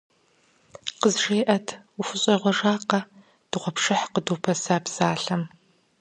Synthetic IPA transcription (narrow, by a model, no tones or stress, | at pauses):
qəzʐeːʔɐtʰufʊɕʼɐʁʷɔʐaːqɐ | d̥ɨʁʷɔpʂɨħqəduːpʰɐsaːbz̥aːɬɐm